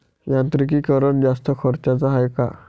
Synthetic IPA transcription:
jãnt̪ɾik̬iːkəɾəɳd͡zast̪əkʰəɾt͡ɕat͡saɦajka̰

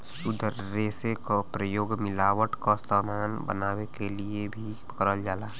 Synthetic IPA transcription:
sʊd̪ʱ | ɾeːsekopɾəjoːɡmɪlaːʋəʈkasaːmaːnbə̰naːwekeliebʱi | kɾəld͡ʒaːlaː

